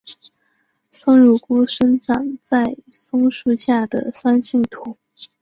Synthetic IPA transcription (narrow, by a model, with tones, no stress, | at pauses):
sɤ˥ŋɻu˥˩ku˥ʂə˥nʈ͡ʂɑ˨˩ŋt͡sa˥˩ɪsɤ˥ŋʂu˥˧ɕja˥˩d̪ə˩swa˥nɕi˥˩ŋt̪ʰu˨˧˥